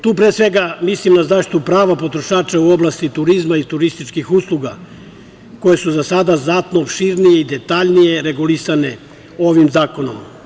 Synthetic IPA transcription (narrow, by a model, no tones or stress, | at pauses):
t̪uːpɾeːsʋe̞ɡamislimnazaʃi̥t̪upɾaːʋapo̞t̪ɾo̞ʃaːt͡ʃauoblast̪it̪uɾizmait̪uɾist̪it͡ʃkixuslˠuɡa̰ | ko̞je̞suzasad̪aznat̪noːpʃiɾnije̞id̪et̪aʎnije̞ɾe̞ɡulisane̞ | oʋimzaːko̞no̰m